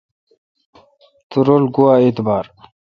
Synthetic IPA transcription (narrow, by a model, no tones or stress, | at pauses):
t̪uɾolɡuwaːeːt̪baːɾ